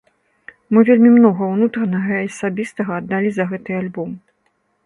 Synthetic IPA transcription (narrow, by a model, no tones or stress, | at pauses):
mɨvʲelʲmʲimnɔɣɐwnut̪ɾɐnɐɣɐiɐsabʲist̪ɐɣɐːd̪ːalʲizɐɣɛt̪ɨalʲbɔm